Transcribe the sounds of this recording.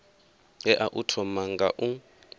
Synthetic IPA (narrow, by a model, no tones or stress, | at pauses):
ɛʔaʔutʰɔmaŋɡaʔu